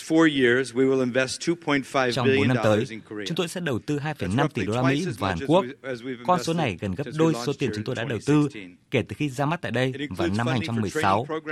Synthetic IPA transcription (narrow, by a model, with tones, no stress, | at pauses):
fɔɹjɪɹzwiwɪlˠɪ̃ɱvɛstʰupʰɔ̃ɪ̃ntfaɪt͡ɕɔ˧wɓo˨˦nːa˧t̪əː˨˦jʊ˨˦ŋ͡mt̪o˧jsɛ̰˧˥ɗə˨˩wt̪ɨ˧ɦaː˧jfə˨˩jna˧mt̪i˧˩ɗo˧laː˧mḭ˧˥vaː˨˩haː˨˩ku˦˥əkkɔ˧nso˨˦na˨˩jɣə˨˩nɣə˦˥p̚ɗo˧jso˨˦t̪i˨˩ənt͡ɕʊ˨˦ŋ͡mt̪o˧jɗa̰ː˧˥ɗə˨˩wt̪ɨ˧ | ke˧˩t̪ɨ˨˩xi˧zaː˧ma˦˥t̪̚ːjɗə˧jvaː˨˩na˧mhaː˧ŋt͡ɕa˧mːɨ˨˩əjsa˨˦w